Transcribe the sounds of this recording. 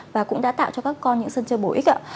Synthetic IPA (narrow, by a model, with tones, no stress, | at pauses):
vaː˨˩kʊ̰˧˥ŋ͡mɗa̰ː˧˥t̪a̰ː˧˨wt͡ɕɔ˧kaː˦˥kːɔ˧nɲɨ̰˧˥ŋsə˧nt͡ɕə˧ɓo˨˩ʔi˦˥k̚ʔaː˧˥